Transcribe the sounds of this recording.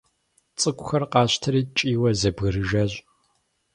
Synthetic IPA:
t͡sʼɨkʷʼʊxɐrqɑːɕtʰɐɾiːt͡ʃʼiːwɐzɐbɣɨɾɨʒɐɕʼ

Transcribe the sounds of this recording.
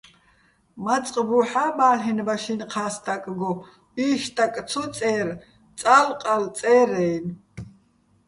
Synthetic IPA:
mat͡sʼqʼbuħaːbaːlɦɛnbaʃinqʰaːst̪ʰʼakʼɡɔ | iːʃt̪ʼakʼt͡sʰɔt͡sʼɛːr | t͡sʼalqʼalt͡sʼɛːɾɛjn

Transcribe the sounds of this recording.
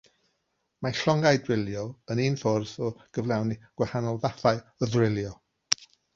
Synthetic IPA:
maɬɔŋaɨdwɪlˠjɔəninfɔrθɔɡ̥əvlˠawniɡ̥wahanɔlˠðaθaɨəðrɪlˠjɔ

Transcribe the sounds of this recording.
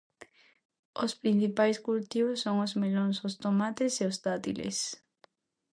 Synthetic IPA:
ospɾin̟θipajskult̪iβosːoŋozmelonsost̪omat̪eseost̪at̪ḭlḛs

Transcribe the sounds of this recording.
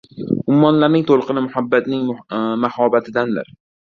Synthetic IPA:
ʊmːɒnlaɾnɪŋt̪ʰolˠqɨnɪmʊhabːat̪nɪŋmahɒbat̪ʰɪd̪and̪ɪ̰ɾ

